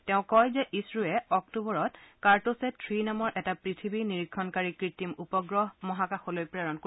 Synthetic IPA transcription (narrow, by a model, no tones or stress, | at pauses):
tɛʊ̃kɔjzɛʔisɹuɛɔk̚tubɔɹɔtkaɹtosɛtʰɹinamɔɹʔɛtapɹitʰibiniɹikʰːɔnkaɹikɹitimupɔɡɹɔɦmɔɦakaxolojpɹɛɹɔnko